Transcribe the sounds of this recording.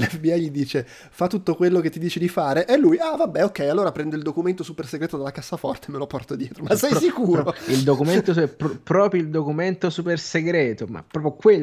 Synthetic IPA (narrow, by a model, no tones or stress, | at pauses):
lɛfbiajʎid̪iːt͡ʃe | fat̪ːut̪ːokwelːoket̪ːid̪iːt͡ʃed̪ifaːɾeʔelːujavabːɛokːɛjalːoːɾapɾɛnd̪oild̪okument̪osuperseɡɾeːt̪od̪alakasːafɔ̰rt̪emelopɔrt̪od̪jɛːt̪ɾomasːɛjsikuːɾɾoild̪okument̪opɾpɾɔːpɾjoild̪okument̪osuperseɡɾɛːt̪oma̰pːɾɔːpɾjokwe